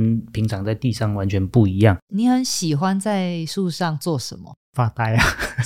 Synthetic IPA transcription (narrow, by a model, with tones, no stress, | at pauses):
npʰi˨˥ŋʈ͡ʂʰɑ˨˩ŋt͡sa˥˧ɪt̪i˥˧ʂɑ˥˨˩ŋwa˦nt͡ɕʰɥɛ˧˥npu˥˨˩i˧˥jɑ˥˨ŋni˨˦xə˨˦nɕi˨˩xwa˦nt͡sa˥˩ɪʂu˥˧ʂɑ˥˧ŋt͡swɔ˥˨ʂə˨˦nmə̰˦ | fa˥˧t̪a˥˩ɪa˨